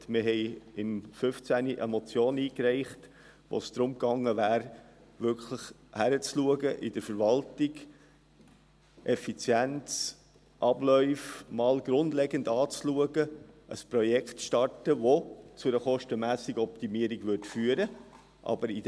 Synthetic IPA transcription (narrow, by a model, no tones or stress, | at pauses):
mɪɦɛɪɪmfʏft͡sæniʔəmɔt͡sjoːniːkɾɛɪχt | ʋo̰sd̪̥ɾʊmkɑŋːəvæːɾ | ʋʏɾkʰləχ | hæɾət͡sluəɡəʔɪdəɾfəɾvɑltɪɡ | ʔɛfit͡sjænt͡s | ʔɑb̥lœʏfmɑːlɡɾʊndlɛɡəndɑːt͡sluəɡəʔə̰spɾɔjɛkχtʃtɑɹtəʋot͡sʊɾəχɔʃtəmæːsɪɡəɔptimiəɾiɡʋʏɾtfyːəɾə | ʔɑ̰bəɾid